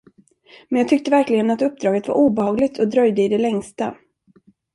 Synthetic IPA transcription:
mɛnjɑːt̪ʰʏk̚t̪əvæɾklɪɡənat̪ɵp̚ːd̪ɾɑːɡət̪va̰ɾʔuːbɛhɑːɡlɪt̪ʰɔd̪ɾœjd̪əɪd̪ɛlɛŋst̪a

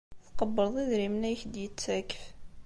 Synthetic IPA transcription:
θqəbːəɾðˤiðɾimnæjçd̪jət͡sːækf

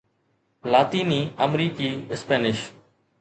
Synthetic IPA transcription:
laːt̪iːniːəmɾiːkiːɪspeːnɪʃ

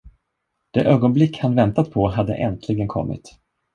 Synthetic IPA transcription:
d̪̥ɛʔøːɡɔnblɪkːhanvɛnt̪at̪̚pʰɔɦad̪ːə̰ʔɛnt̪ʰlɪɡənkʰɔ̰mːɪ̰t̪

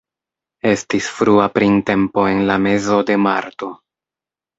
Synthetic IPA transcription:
e̞stisfɾuapɾinte̞mpo̞e̞nlame̞zo̞de̞ma̰ɾto̞

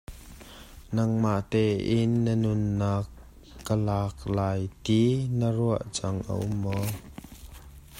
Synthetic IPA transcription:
nɐŋmaʔt̪ɛːʔɪnːənʊnːaːkː | əlaːk̚laːjt̪inəruəʔt͡saŋʔə̰ʔʊmːɔ

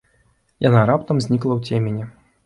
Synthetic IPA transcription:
janaɾapt̪ɐmzʲnʲiklˠɐwt͡sʲemʲenʲɛ

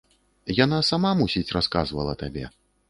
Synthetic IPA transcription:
janasamamusʲit͡sʲraska̰zvɐ̰lˠɐ̰t̪abʲɛ̰

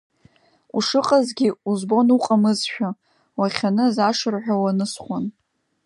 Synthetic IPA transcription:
uʂɨqʼazɡʲiuzbo̞nuqʼamɨzʃᶣa | waχʲanɨzaʂɨrħᶣawanɨsχʷan

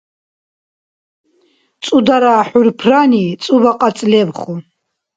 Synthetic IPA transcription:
t͡sʼud̪aɾaːħurpʰranit͡sʼubaqʼat͡sʼlɛbχu

